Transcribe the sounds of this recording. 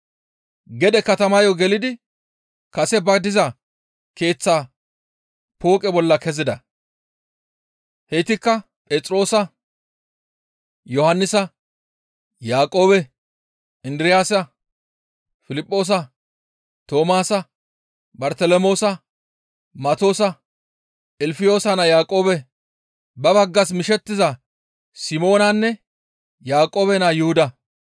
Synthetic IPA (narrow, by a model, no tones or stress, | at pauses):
ɡɛd̪ɛkɐt̪ɐmɐjɔɡɛlɪd̪ɪ | kɐsɛbɐd̪ɪzɐ | ke̞ːt͡sːaː | po̞ːkʼɛbɔlːɐkɛzɪd̪ɐ | hɛt̪ɪkːɐ | pʼeːt͡sʼɾo̞ːsɐ | jɔhɐnːɪsɐ | jaːkʼo̞ːbɛ | ɪnd̪ɾɪjaːsɐ | fɪlɪpʼːo̞ːs̬ɐ | t̪o̞ːmaːsɐ | bɐɾt̪ɛlɛmo̞ːsɐ | mɐt̪o̞ːsɐ | ɪlfɪjo̞ːsɐnɐjaːkʼoːbɛ | bɐβɐɡːɐs̬mɪʃɛt̪ːɪzɐ | sɪmo̞ːnɐnːɛ | jaːkʼːo̞ːbɛnajʊhʊd̪ɐ